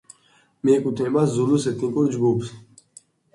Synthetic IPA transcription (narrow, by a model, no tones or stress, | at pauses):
meːkut̪ʰẽbɐszuluset̪ĩkuɾd͡ʑbups